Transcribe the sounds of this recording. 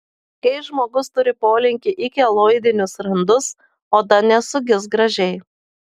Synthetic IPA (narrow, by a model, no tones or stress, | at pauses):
kɐɪʒmoːɡʊst̪ʊɾʲɪpoːlʲɪŋʲkʲɪʔɪkʲɪɛlˠoːɪd̪ʲɪnʲʊsɾɐnd̪ʊs | oːd̪ɐnʲɛsʊɡʲɪs̬ɡɾɐʒʲɛɪ